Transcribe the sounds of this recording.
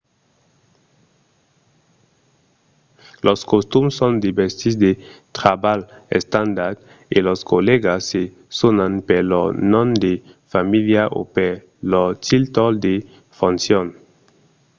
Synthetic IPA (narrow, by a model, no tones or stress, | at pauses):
loskost̪umsõnd̪ibeɾsisd̪et̪ɾabalḛst̪ãnd̪aɾd̪ | iloskoleɡasːe | sonanpeɾlonõnd̪e | familjaʔo̰peɾ | lot̪ilt̪old̪e | fõnsjon